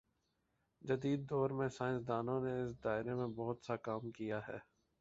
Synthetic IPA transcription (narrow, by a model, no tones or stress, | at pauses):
d͡ʒɐd̪iːd̪̚ːɔːɾmẽsaːɪ̃nsd̪aːnõneɪs̬d̪aːɪɾemẽbɔɦʊt̪sakaːmkijaɦɛ̰ː